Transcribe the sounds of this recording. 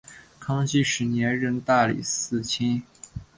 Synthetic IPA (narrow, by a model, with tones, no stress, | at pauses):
kʰɑ˥ŋt͡ɕi˥˩ʂɻ̩˧˥njɛ˧˥nɻə˥˧nt̪a˥˩lḭ˨˩sɹ̩˥˩t͡ɕʰi˥n